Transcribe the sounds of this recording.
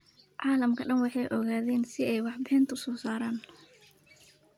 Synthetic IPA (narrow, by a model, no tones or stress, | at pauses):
ʕɑːlɐmkʰɐɖɐnwɑħɑjʔɔɣaːðɛːnsɪɛjwɑħbɪɪnt̪ʰʊsɔːsaːɾaːn